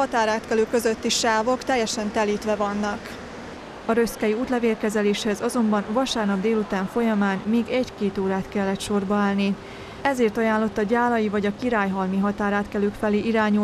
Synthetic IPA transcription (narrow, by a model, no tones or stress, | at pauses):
ɒt̪aːɾaːt̪kɛløːkːø̞zøt̪ːiʃaːvo̞kt̪ɛjːɛʃɛnt̪ɛliːt̪ʋɛvɒnːɒk | ɒɾøskɛjiuːt̪lɛveːrkɛzɛleːʃhɛzɒzo̞mbɒnvɒʃaːrnɒbd̪eːlut̪aːɱfo̞jɒmaːnmeːɡɛɟkeːt̪oːɾaːt̪kɛlːɛt̪ʃo̞rbɒaːlni | ɛzeːrt̪ɒjaːnlo̞t̪ːɒɟaːlɒjivɒɟɒkiɾaːjɦɒlmiɦɒt̪aːɾaːt̪kɛløːkfɛleːʔiɾaːɲu